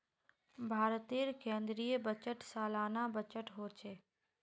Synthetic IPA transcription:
bʱaːɾt̪iɾkẽːnd̪ɾijəbət͡ʃəʈsaːlaːnabət͡ʃəʈɦoːt͡ʃeː

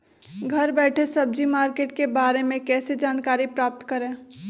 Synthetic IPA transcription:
ɡʱɐɾbɛːʈʰesɐb̚d͡ʒimaːɾkeːʈkebaːɾemẽkɛːsed͡ʒaːnkaːɾipɾaːp̚t̪kɐɾẽː

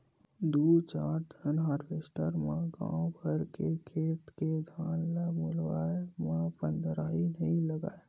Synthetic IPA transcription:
d̪ut͡ʃaːɾd̪ʱənɦaːɾbʰesʈəɾmãɡã̰wbʱəɾkekʰeːt̪ked̪ʱaːnlamolwaːemãpənd̪ɾaːinəĩləɡa̰ːe

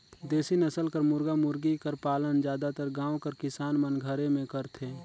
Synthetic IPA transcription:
d̪eːsinəsəlkəɾmʊɾɡamʊɾɡikəɾpaːlənd͡ʒjaːd̪at̪əɾɡãːwkəɾkɪsaːnmənɡʱəɾemẽkəɾt̪ʰeː

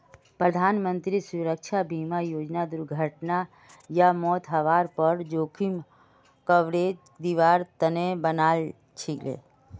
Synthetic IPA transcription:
pɾəd̪ʱaːnmə̃nt̪ɾisuɾəkʃʰabʱiːmajoːd͡ʒnad̪ʊɾɡʱəʈna | jamɔːt̪ɦəʋaːɾpəɾd͡ʒoːkʰim | kəʋɾeːd͡ʒ | d̪iʋaːɾt̪ənebənaːl | t͡ʃʰilḛː

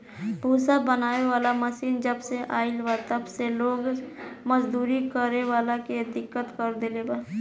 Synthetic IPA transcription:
bʱuːsabənaːeʋaːlaməʃiːnd͡ʒəbseʔaːɪlwat̪əbseloːɡməd͡ʒd̪uːɾikəɾeʋaːlaked̪ɪkːət̪kəɾd̪elebaː

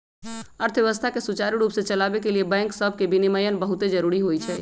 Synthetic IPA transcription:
əɾt̪ʰʋeʋəst̪ʰakesut͡ʃaɾiɾuːpsẽt͡ʃəlabekeliebɛ̃ːŋksəb̚ʱkebiniməjənbəɦut̪ed͡ʒəɾuɾiɦojt͡ʃʰɛː

